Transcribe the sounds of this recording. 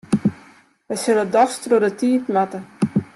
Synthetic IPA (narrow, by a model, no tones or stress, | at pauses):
ʋəjsølədɔstrudətiːtmatə